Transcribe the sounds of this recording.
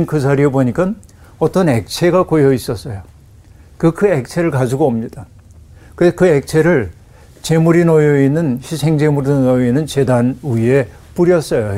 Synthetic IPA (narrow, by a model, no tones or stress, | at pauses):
nkɯs̬ʰaɾieboɲik͈an | ʌt͈ʌnek̚t͡ɕʰe̞ɡakojʌis͈ʌs͈ʌjo | kɯkɯek̚t͡ɕʰe̞ɾɯɭkad͡ʑuɡoʌmɲid̥a | kɯɾesʰʌkɯek̚t͡ɕʰe̞ɾɯɭ | t͡ɕemuɾinʌjʌinːɯnɕʰisʰe̞ŋd͡ʑe̞muɾinoinːɯnt͡ɕe̞danuie̞ | p͈uɾjʌs͈ʌjo